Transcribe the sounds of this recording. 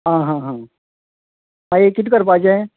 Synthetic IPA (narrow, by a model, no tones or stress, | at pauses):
ɦãːɦãːɦãː | ɦãjekɪʈ̪kəɾpaːd͡ʒã